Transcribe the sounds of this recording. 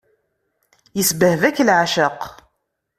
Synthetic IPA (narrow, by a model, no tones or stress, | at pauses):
jəsbəhvækːlʕaʃəq